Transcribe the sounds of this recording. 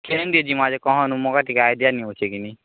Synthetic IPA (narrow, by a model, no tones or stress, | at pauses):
kʰend̪ied͡ʒimad͡ʒekɔɦɔ̃nũmɔkaʈikajd̪ijaniõt͡ʃʰekini